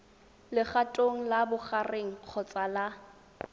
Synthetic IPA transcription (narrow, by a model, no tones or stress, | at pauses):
lɪχatʼoŋ̩labʊχareŋ̩q͡χʰɔt͡sʼala